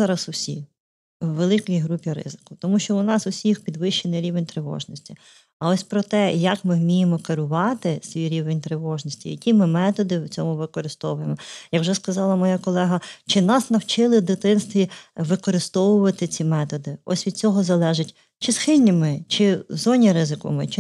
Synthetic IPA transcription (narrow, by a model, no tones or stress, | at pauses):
zɑɾɐsʊsʲi | wːelˠɪkɔjɦɾupʲiɾɪ̰zɪ̥kʊt̪ɔmuʃt͡ʃɔʊnɑsʊsʲixpʲid̪ʋɪʃt͡ʃenɪjɾʲiʋenʲt̪ɾeʋɔ̰ʒnɔsʲtʲi | ɐɔsʲpɾɔt̪ɛjɐkmɪwmʲijemɔkɐɾʊʋɑt̪ɪsʲʋʲijɾʲiʋenʲt̪ɾeʋɔʒnɔsʲtʲḭjɐkʲimɪmɛt̪ɔd̪ɪwt͡sʲɔmʊʋɪkɔɾɪst̪ɔwʊjemɔjɐkwʒɛskɐzɑlˠɐmɔjakɔlˠɛɦɐt͡ʃɪnɑsnɐwt͡ʃɪlˠɪd̪ɪt̪ɪnst̪ʋʲiʋɪkɔɾɪst̪ɔwʊʋɐt̪ɪt͡sʲimɛt̪ɔd̪ɪɔ̰sʲʋʲid̪̥̚t͡sʲɔɦɔzɐlˠɛʒɪtʲ | t͡ʃɪsxɪlʲnʲimɪt͡ʃɪzɔnʲiɾɪzɪkɔ̰mɪ̰t͡ʃɪ